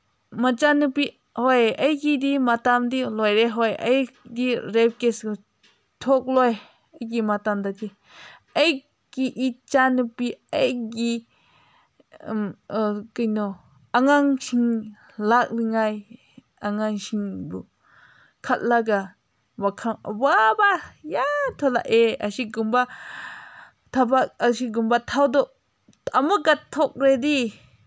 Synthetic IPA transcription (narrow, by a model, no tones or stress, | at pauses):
mat͡ʃanɯpi | hɔjəjɡidimatamdilɔjɾeɦɔjʔəjdiɾɛp̚kes | tʰɔk̚lɔj | əjɡimatamd̪adi | əj | kiʔit͡ʃanupiejɡi | kɯjnɔ | ʔaŋaŋʃiŋ | lak̚liŋaj | aŋaŋʃiŋbɯ | kʰat̚laɡa | bakʰaŋa̰wabajat̪ʰɔla̰ʔeasiɡumba | t̪ʰabaasiɡumbat̪ʰawd̪ɔ | amɯɡat̪ʰːɔk̚ɾed̪i